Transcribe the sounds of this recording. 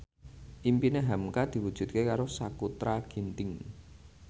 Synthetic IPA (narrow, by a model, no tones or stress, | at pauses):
ʔimpineɦamkad̪̥i̤wud̥ʒ̥ṳt̪̚kekaɾosakut̪ɾaɡ̥i̤nt̪ɪŋ